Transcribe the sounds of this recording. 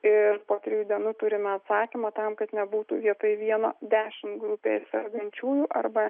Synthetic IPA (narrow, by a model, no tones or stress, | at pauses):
ɪrpoːt̪ʲɾʲɪjuːd̪ʲiɛnuːt̪ʊɾʲɪmʲɛɐt̪sɑːkʲimɐt̪ɐmkɐt̪nʲɛbuːt̪uːʋʲiɛt̪ojʋʲiɛno̰ːd̪ʲæːʃʲɪmt̪ɡɾʊpʲḛːɪsʲɛɾɡɐnʲt͡ʃʲuːjuːʔɐrbɐ